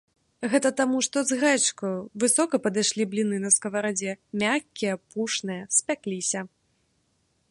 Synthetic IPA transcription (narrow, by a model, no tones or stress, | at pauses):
ɣɛt̪ɐt̪amuʂt̪ɔzɣɛt͡ʂkɐjvɨsɔkɐpɐd̪ɨjʂlʲiblʲinɨnɐskɐvɐɾad͡zʲɛmʲakʲːijɐpuʂnɨjɐsʲpʲaklʲisʲɐ